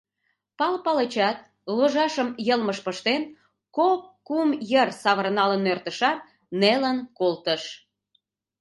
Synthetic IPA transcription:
pɑlpɑlət͡ɕɑt̪̚ | loʒɑʃəmjəlməʃpəʃt̪en | kokːumjərsɑβərnɑlənːørt̪əʃɑt̪̚ | nelənkolt̪əʃ

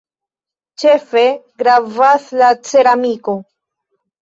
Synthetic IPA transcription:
t͡ʃe̞fe̞ɡɾavaslat͡se̞ɾamiko

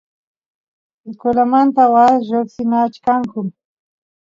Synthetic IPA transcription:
ɪkʊlamant̪awaʒoksɪnat͡ʃkaŋkʊ

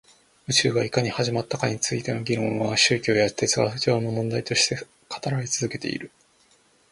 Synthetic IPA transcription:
ɯ̟t͡ɕɨːɡaikaɲ̟ihaʑimat̪ːakaɲ̟it͡sɨit̪e̞no̞ɡʲiɾõ̞ɰ̃βaɕɨːkʲo̞ːjḁt̪et͡sɨɡa̰sɯ̥t͡ɕoːno̞mõ̞nd̪ait̪o̞ɕi̥t̪e̞ | kʰḁt̪aɾait͡sɨzɨke̞t̪e̞̰ḭɾɯ̟

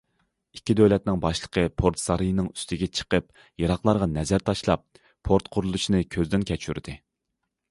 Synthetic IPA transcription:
ikʲːid̪ølɛt̪̚nɪŋbɑʃlˠəqʰəpʰoɾt̪sɑɾijnɨŋy̥st̪ɪɡʲɛt͡ʃʰə̥qəp | jɑɾɑχlˠɑɾʁɑnɛzæɾt̪ʰɑʃlˠɑ̰p̚ʰː | oɾt̪qʰʊɾulˠuʃinɨkʲʰøzd̪ɪnkʲʰɛt͡ʃʰyɾd̪̥ɨ

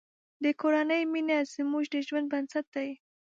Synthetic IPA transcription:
d̪əkoɾanəjminezəmuʒd̪əʒwand̪̚bansat̪̚d̪aj

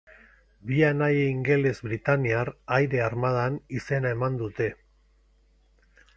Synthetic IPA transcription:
bianajeiŋɡe̞le̞zβɾit̪aniarajɾe̞aɾmað̞anise̞naemand̪ut̪e̞

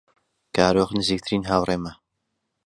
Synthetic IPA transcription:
kaːɾoχnɨziːk̚t̪ʰɨɾiːnɦaːwreːmɐ

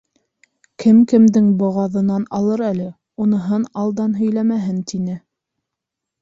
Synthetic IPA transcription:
kʰɘmkɘ̆md̪ɘŋbŏʁɑðɤ̆nɑnɑlˠɤɾælɘ | unɤ̆ɦɤnɑlˠd̪ɑnɦɵ̆jlæmæɦɘnt̪inɘ

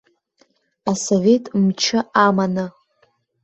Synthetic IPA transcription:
asovʲe̞tʼmt͡ʃʰɪamanɨ

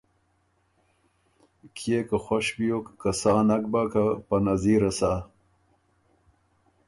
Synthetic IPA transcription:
kʰjekaxoɕbijokːasaːnak̚bakapanaziːɾɐsaː

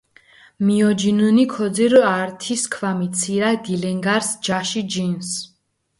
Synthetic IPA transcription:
miɔd͡ʒinunikʰɔd̪ziɾaɾt̪ʰiskʰvamit̪sʰiɾad̪ilɛŋɡaɾsd͡ʒaʃid͡ʒins

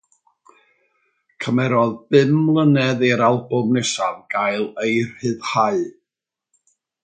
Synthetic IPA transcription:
kʰəmɛɾɔðbɪmlˠənɛðiɾalˠbʊmnɛsavɡ̥ajlˠejr̥hɨðhaɨ

